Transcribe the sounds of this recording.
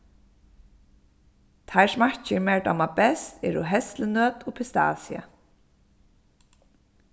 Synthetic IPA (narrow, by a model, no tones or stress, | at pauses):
t̪ʰajsmaht͡ʃɪɹmɛɹd̪a̰mabɛst̪ɛ̰ɾʊɦɛst̪lənœːt̪ʊpʰɪst̪a̰ːsja̰